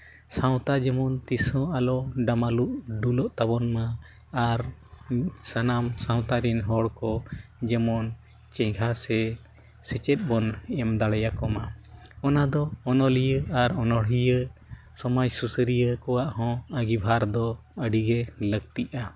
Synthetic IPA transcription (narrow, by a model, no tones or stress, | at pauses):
sãw̃t̪ad͡ʒɛmɔnt̪isɔ̃alɔɖamaluʔɖulɔʔt̪abɔnmaː | ɾ | sanamsãw̃t̪aɾinɦɔɽkɔd͡ʒɛmɔn | t͡ʃɛ̃ɡʱasɛ | sɛt͡ʃɛt̪̚bɔnɛmd̪aɽɛjakɔmaɔnad̪ɔɔnɔlijəaɾɔnɔɽijə | sɔmad͡ʒsusəɾijəkɔwaʔhɔ̃əɡibʱaɾd̪ɔəɖiɡɛləɡ̚t̪iʔa